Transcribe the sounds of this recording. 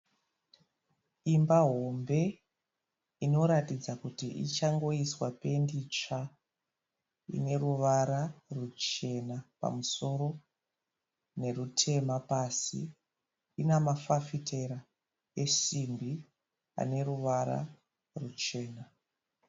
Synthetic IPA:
imbaɦo̞mbe̞ | ino̞ɾatid͡zakutiʔḭt͡ʃaŋɡo̞iswape̞ndit͡ʂa | ḭne̞ruʋaɾarut͡ʃe̞napa̰muso̞ɾo̞ | ne̞rutʰe̞mapasḭ | inamafafitʰe̞ɾa | e̞simbi | a̰ne̞ruʋaɾa̰ | rut͡ʃe̞ːna

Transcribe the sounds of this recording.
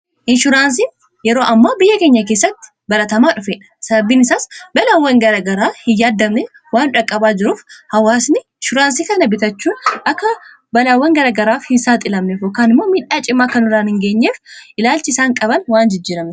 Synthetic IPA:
ʔɪnʃʊɾaːns̬i | jɛɾo̞ːʔɐmːaːbɪjːɐkeːɲːɐk̬e̞ːsːɐt̪ːɪ̥ | bɐlɐt̪ɐmaːᶑʊfeːᶑɐ̥sɐbɐbiːnɪsaːsbɐlaːwːɐŋɡɐɾaːɡɐɾaːhɪjaːd̪ːɐmnɛ | waːnᶑɐkʼːɐbaːd͡ʒɪɾuːfhɐwaːsnɪɪʃʊɾaːnsiːkɐnɐbɪt̪ɐt͡ʃːuːnʔɐkːɐ | bɐlaːwːɐŋɡɐɾaːɡɐɾaːfhɪnsaːt̪ʼɪlɐmnefɔkːaːnɪmːoːmiːᶑaːt͡ʃʼɪmːaːkɐnʊɾaːnhɪŋɡeːɲːeːfʔɪlaːlt͡ʃɪɪsaːŋkʼɐβɐnwaːnd͡ʒɪd͡ʒːiːɾɐmɛ

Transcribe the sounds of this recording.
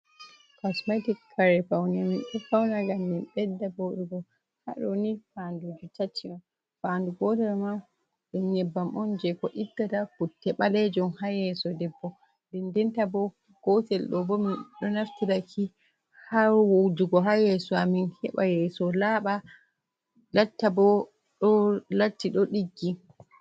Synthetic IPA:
kɔsmatikʰːaɾɛfawnaminɗɛfawnaɡamːinɓɛdːaboɗuɡɔ | ha̰ɗɔnifandud͡ʒutat͡ʃːima | fanduɡɔtɛɾma | ɗɛnɲɛbːamʔɔnd͡ʒɛkɔʔitːatafutːɛɓalɛd͡ʒɔmhajɛsɔdɛbːɔ | dɛndɛntabɔ | ɡ̥ɔtɛlɗɔbɔminɗɔnaftiɾakʰi | hawowd͡ʒuɡɔɦajɛsɔaminhɛ̰ɓajɛsɔlaːɓa | latːabɔ | ɗɔlatːiɗɔɗiɡːi

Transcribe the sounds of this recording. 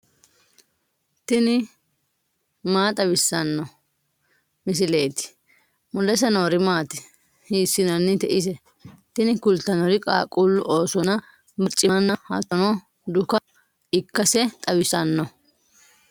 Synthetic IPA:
t̪ɪnɪ | maːt̪ʼɐbɪsːɐnːɔ | mɪs̬ɪleːt̪ɪ̥ | mʊlːɛs̬ɐnoːɾɪmaːt̪ɪ̥ | hiːsːɪnɐnːɪt̪ɛʔɪs̬ɛ | t̪ɪnɪkʊlt̪ːɐnɔɾɪkʼa̰ːkʼulːʊʔo̞ːsɔnɐ | bɐɾt͡ʃʼɪɐnːɐhɐ̰t̪ɔnɔ | d̪ʊkɐ | ɪkːɐsɛt̪ʼɐbɪsɐnːɔ

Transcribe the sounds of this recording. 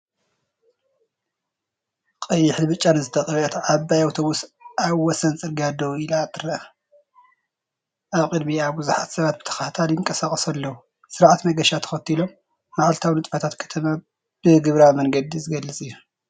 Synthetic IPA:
qʼɐjːɪħlbɨt͡ʃʼːanɨzɨt̪ʰɐkʼɐɾʔɐt̪ʕabajawt̪ʰo̞βusaβwɔsɐnt͡sʼɨɾɡad̪ɐwilat̪ʰʼɨɾɐɐ | ʔaβkʼɨd̪miaβbuzuħat̪sɐβat̪̚bɨt̪ʰɐ̥xaht̪ʰaljɪŋkʼɐsaχʼɐsɐlːɐwu | sɨɾaʕat̪mɐɡɐʃat̪ʰɐ̥xɐt̪ʰːilo̞mː | aʕalt̪ʰawnɨt̪ʼfɐt̪ʰat̪kʰɐ̥t̪ʰɐma | b̥ɨɡɨβɾawmɐŋɡɐd̪izɨɡɐlːɨt͡sʼɨjːu

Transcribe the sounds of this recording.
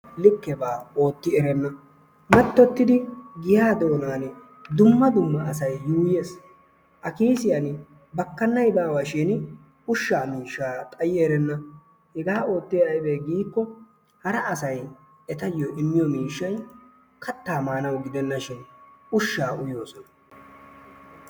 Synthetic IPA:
lɪkːɛbaːo̞ːt̪ːɪɛɾɛnːɐ | mɛt̪ːɔt̪ːɪd̪ɪɡɪjaːd̪o̞ːnaːn | d̪ʊmːɐd̪ʊmːɐːsɐjːuːje̞ːs | ʔɐkiːsɪjɐn | bɐkːɐnːɐjbaːwɐʃɛn | ʊʃːaːmiːʃːaːt̪ʼɐjɪeɾɛnːɐ | hɛɡaːo̞ːt̪ːɪjɐjbeːɡiːkːɔ | hɐɾɐɐsɐj | ɛt̪ɐjoʔɪmːɪjɔmiːʃːɐj | kʰɐt̪ːaːmaːnɐwɡɪd̪ɛnːɐʃɪnʊʃːaːʊjo̞ːsɔnɐ

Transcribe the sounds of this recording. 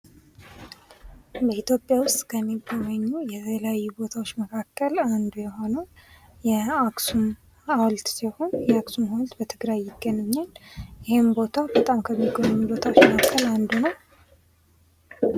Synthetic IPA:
bəit̪jo̞pʼːjawʊst̪ʼkʰəmːiɡːoməɲːujɛt̪ʰəleajːubo̞t̪ʰawot͡ʃːməkʰakʰːəland̪ujɛɦo̞nə | jɛaksum | awlt̪siho̞njɛaksumhawlt̪bət̪ʰɨɡɾajːɪɡ̥ːənɨɲːanjɪhembo̞t̪ʰabət̪ʼamkʰəmːiɡomənubo̞t̪ʰawot͡ʃːməkʰakːəland̪unəw

